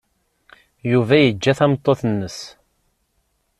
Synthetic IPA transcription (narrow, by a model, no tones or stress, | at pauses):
juvæjəd͡ʒːæθæmt̪ˤːoθənːəs